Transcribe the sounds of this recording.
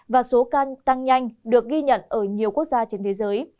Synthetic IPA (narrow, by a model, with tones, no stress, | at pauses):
vaː˨˩so˨˦kt̪a˧ŋɲa˧jŋ̟ɗɨ˨˩ək̚ɣi˧ɲə̰˧˨nʔəː˧˩ɲi˨˩əwku˦˥ək̚zaː˧t͡ɕe˧nt̪ʰe˨˦zəː˨˦j